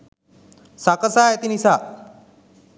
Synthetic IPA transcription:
sakəsaet̪inisa

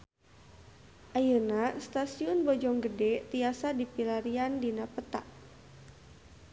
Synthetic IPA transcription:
ʔajənast̪asiʊnbɔd͡ʒɔŋɡədɛt̪iasadipilaɾiandinapət̪a̰ʔ

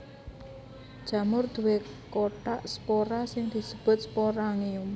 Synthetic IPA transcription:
d̥ʒ̥ä̤mʊrd̪̥ṳwe | koʈaʔspoɾasɪŋd̪̥i̤səb̥ʊ̤t̪̚spoɾaŋiʊm

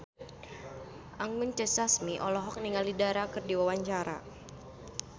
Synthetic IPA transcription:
ʔaŋʊnt͡ʃɛsasmiʔɔlɔɦɔk̚niŋalidaɾakɨrdiwawaɲt͡ʃaɾa̰

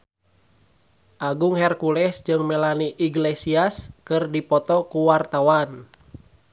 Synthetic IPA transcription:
ʔaɡuŋhɛrkulɛsd͡ʒɨŋmɛlaniʔiɡlɛsiaskɨrdipɔt̪ɔkuwart̪awan

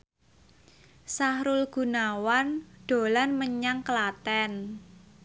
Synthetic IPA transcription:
sahɾʊlɡ̥ṳnawanɖ̥o̤lanməɲaŋkəlat̪ɛn

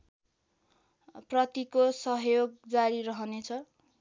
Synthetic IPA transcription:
prʌt̪ikosʌɦjoɡ̚d͡zaɾiɾʌɦʌnet͡sʰʌ

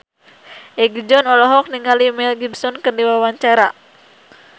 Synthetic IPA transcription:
ʔɛɡd͡ʒɔnɔlɔɦɔk̚niŋalimɛlɡibsɔnkərdiwawaɲt͡ʃaɾa

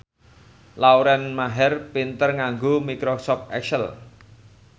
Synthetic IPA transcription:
lawɾɛnmaɦɛrpint̪ərŋaŋɡomikɾosɔpɛ̰ksəl

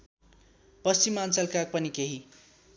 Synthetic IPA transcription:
pʌst͡simant͡salkak̚pʌnikeɦi

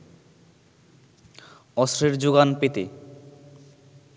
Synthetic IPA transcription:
ɔsɾeɾd͡ʑoɡanpet̪ḛ

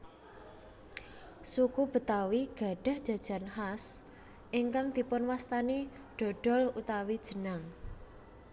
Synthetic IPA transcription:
sukub̥ə̤t̪awiɡ̥a̤ɖ̥a̤hd̥ʒ̥a̤d̥ʒ̥a̤nhas | ʔiŋkaŋd̪̥i̤pʊnwast̪ani | ɖ̪̥ɔ̤ɖ̥ɔ̤lut̪awid̥ʒ̥ə̤naŋ

